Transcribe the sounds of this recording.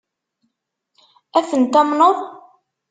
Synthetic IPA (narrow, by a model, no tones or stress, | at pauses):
æθənt̪æmnoðˤ